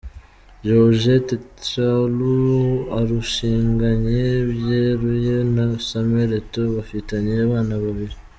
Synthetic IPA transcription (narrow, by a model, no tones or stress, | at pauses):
ʒoʒetealuaɾuʃiːŋɡaɲeβjeɾujenasameɾetoβafitaɲijaβaːnaβaβiɾi